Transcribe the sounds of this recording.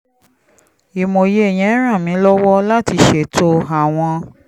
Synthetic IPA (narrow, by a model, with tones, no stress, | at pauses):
i˨mo˨je˦e˦˨j̃ɛ̃˨ɛ˦ɾ̃ã˦˨mĩ˨˦lɔ˦wɔ˦la˦ti˧ʃe˨to˧a˨w̃ɔ̃˧